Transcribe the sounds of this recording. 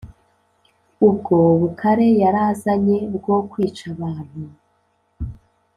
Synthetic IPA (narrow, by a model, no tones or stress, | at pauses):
ub̚ɡo̞βukʰaɾe̞jaɾaːzaɲe̞bɡo̞kwiːt͡ʃaβaːn̥hu